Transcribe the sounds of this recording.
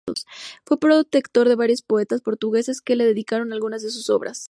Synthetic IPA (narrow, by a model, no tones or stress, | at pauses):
osfwe̞pɾo̞ðt̪e̞kt̪o̞ɾðe̞βaɾjo̞spo̞e̞t̪aspo̞ɾt̪uɣe̞se̞ske̞le̞ðe̞ðikaɾo̞nalɣunazðe̞s̬uso̞̰βɾʔa̰s